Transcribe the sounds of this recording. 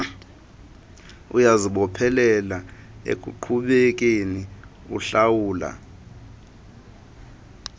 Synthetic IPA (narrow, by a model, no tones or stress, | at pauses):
ujaziɓɔpʰɛlɛlaḛkʼṵǃʰuɓek̬ʼeni | uɬawuːla̰